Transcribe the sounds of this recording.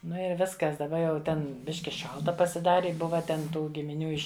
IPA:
ˈnʊ ɪr ˈʋʲɪskɐs dɐˈbɐ jɛʊ ˈtʲɛn ˈbʲɪʃʲkʲɪ ˈʃɐlˠtɐ pɐsʲɪˈdɑːrʲɪ ˈbʊʋɐ tʲɛn ˈtuː ɡʲɪmʲɪˈnʲuː ˈɪʃʲ

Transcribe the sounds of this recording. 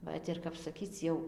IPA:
ˈʋɐt ɪr kɐp sɐˈkʲiːt͡s jɛʊ

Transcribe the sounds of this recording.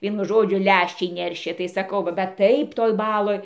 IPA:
ˈʋʲiɛnʊ ˈʒoːd͡ʒʲʊ ˈlʲæʃʲt͡ʃʲɛɪ ˈnʲɛrʲʃʲeː tɐɪ ˈsɑːkɐʊ bʲɛt ˈtɐɪp toːj ˈbɑːlˠoːj

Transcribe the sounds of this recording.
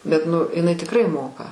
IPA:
bʲɛt nʊ ɪˈnɐɪ tʲɪkˈrɐɪ ˈmoːkɐ

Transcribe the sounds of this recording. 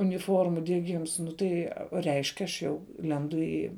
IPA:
ʊnʲɪˈfoːrmuː dʲiɛˈɡʲɪms ˈnʊ tɐɪ rʲɛɪʃʲkʲ ɐʃ ˈjɛʊ ˈlʲɛndʊ iː

